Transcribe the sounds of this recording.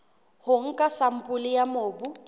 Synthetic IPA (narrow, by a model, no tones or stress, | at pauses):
hʊŋ̩kʼasam̩pʼʊlɪjamoːbu